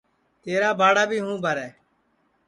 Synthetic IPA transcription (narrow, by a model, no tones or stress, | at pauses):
t̪eːɾaːbaːɽaːbʱiːɦũːbʱəɾɛː